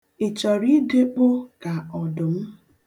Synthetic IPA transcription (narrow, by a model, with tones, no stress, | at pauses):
ɪ˨t͡ʃɔ˨ɾi˦de˦k͡pʊ˦ka˨ɔ˨dʊ˨m̩˦